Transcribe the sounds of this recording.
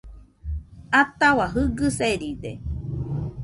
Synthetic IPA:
at̪awaɦɨɡɨseɾid̪ḛ

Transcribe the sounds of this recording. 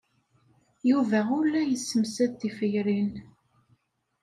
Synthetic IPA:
juvæʊlːæjəsːəmsæðt̪ːifəjɾin

